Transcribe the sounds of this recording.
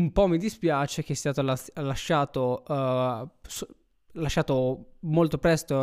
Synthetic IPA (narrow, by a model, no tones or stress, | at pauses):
umpɔmːid̪ispjaːt͡ʃek̟est̪aːt̪olalaʃːaːt̪o | s | laʃːaːt̪omolt̪opɾɛst̪o